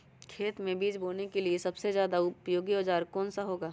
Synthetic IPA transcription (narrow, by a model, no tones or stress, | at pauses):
kʰeːt̪mẽbiːd͡ʒboːnekeliesɐbsezjaːd̪aʊpjoːɡioːd͡ʒaːɾkɔːnsaɦoːɡaː